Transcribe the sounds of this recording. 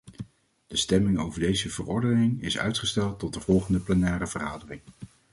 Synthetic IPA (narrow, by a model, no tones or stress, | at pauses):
d̥əstɛmɪŋowvəɹdejzəvərɔɹdənɪŋɪ̰sœ̰ɥtχəstɛlˠtːɔt̚dəvɔlˠχəndəplɛnɛːrəvərχaːdərɪŋ